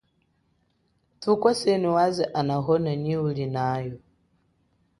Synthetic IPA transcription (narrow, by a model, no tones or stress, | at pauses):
tukwasɛniwazɛʔanaɦɔnaɲiulinajɔ